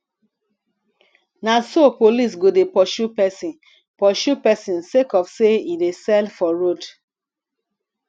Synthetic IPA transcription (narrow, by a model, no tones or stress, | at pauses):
nasopolis̬ɡodepɔʃupɛsĩn | pɔʃupɛsĩnsekɔfseidesɛlfɔɹod